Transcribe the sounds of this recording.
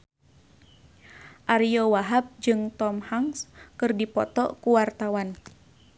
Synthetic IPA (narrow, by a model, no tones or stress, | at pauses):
ʔaɾijɔwaɦap̚d͡ʒɨŋt̪ɔmhaŋskɨrdipɔt̪ɔkuwart̪awan